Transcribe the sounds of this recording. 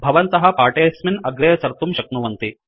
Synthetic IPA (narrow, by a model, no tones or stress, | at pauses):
bʱɐʋɐnt̪ɐɦɐpaːʈejɐsminɐɡɾɐjɐt͡sɐɾt̪umʃɐknuʋɐnt̪i